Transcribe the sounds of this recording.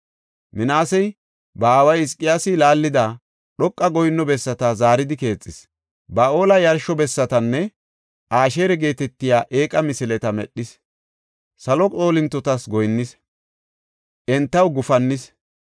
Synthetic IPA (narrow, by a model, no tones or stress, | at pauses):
mɪnaːsɛj | bɐːwɐjɪskʼːɪjaːsɪlaːlːɪd̪a | ɗɔkʼːɐɡɔjnːɔbɛsːɐt̪ɐzaːɾɪd̪ɪke̞ːt͡sʼːɪs | bɐo̞ːlɐjɐɾʃɔbɛsːɐt̪ɐnːɛ | ʔaːʃeːɾɛɡe̞ːt̪ɛt̪ːɪjaːʔe̞ːkʼɐmɪsɪlɛt̪ɐmɛɗːɪs | sɐlɔt͡sʼo̞ːlɪnt̪ːɔt̪ɐsɡɔjnːɪs | ʔɛnt̪ːɐwɡʊfɐnːɪs